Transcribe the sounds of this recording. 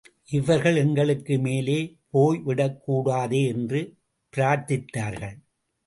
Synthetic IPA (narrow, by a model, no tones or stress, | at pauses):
ʔɪʋɐɾɣɐɭɛŋɡɐɭɯkːɯmeːleːpoːjʋɪɽɐkːuːɽaːðeːɛndrɯ | pɪɾaːɾt̪ɪt̪ːaːɾɣɐɭ